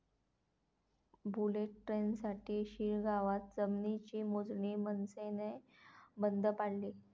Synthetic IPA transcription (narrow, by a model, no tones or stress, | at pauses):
buleʈ̚ʈɾensaʈiːɕiːɾɡʱaʋat̪̚d͡zəmnit͡ɕiːmod͡zɳimənsenebənd̪ʱəpaɽliː